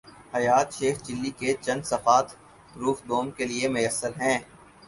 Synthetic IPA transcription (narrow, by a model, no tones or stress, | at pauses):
hɐjaːt̪ʃeːxd͡ʒɪlːiket͡ʃɐ̃nd̪sɐfaːt̪ | ɾuːfd̪oːmkeliemʊjəsːəɾɦɛ̃ː